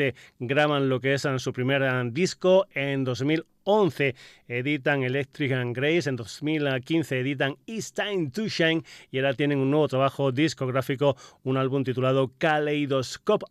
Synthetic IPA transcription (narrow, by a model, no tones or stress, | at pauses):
eɡɾaβ̞anlo̞kesansupɾime̞ɾd̪iskoend̪o̞zmil | o̞nθe̞eðit̪aŋe̞lek̚t̪ɾikaŋɡɾejse̞nd̪osmilkin̟θeːðit̪̬aŋist̪ajnt̪uʃajŋieɾat̪je̞nẽ̞ŋunːwe̞β̞o̞t̪ɾaβaxo̞d̪isko̞ɣ̞ɾafiko̞unalβumt̪it̪ulað̞o̞kalejðoskop